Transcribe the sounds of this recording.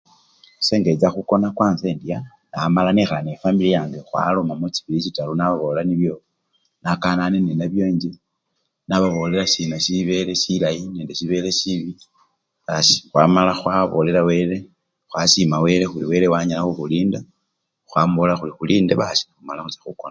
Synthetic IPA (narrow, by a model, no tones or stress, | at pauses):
se̞ːŋɡe̞t͡saxuko̞nakwaːnze̞ːndia | namalanixanefambilijaːŋɡexwa̰lomamut͡si̥βilit͡ʃitalunaβaβollaniβjo̞ | nakananenenaβjoːɲd͡ʒi | naβaβo̞le̞lasinasiβe̞le̞silajineːndesiβe̞le̞siβi | βasi̥xwaːmalaxwaβole̞lawe̞ːɾe̞ | xwasimawe̞ɾexuliwe̞le̞waɲalaxuxuliːnda | xwaːmbulaxulixuliːndeβasi̥naxumalaxut͡sḁxukona